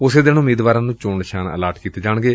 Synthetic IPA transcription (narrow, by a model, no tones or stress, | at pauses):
ʊseːd̪enʊmiːd̪ʋaːɾãːnũːt͡ʃoːɳɪʃaːnə̰laːɾʈkiːt̪eːd͡ʒaːɳɡeː